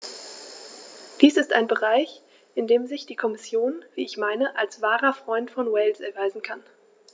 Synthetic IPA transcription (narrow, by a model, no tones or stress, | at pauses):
d̥iːsɪstaɪnbəʁaɪç | ʔɪndeːmzɪçd̥iːkʰɔmɪsjoːnviːɪçmaɪnəʔalsv̥aːʁɐfʁ̥ɔʏntfɔnwɛlsʔɛɐvaɪzn̩kʰan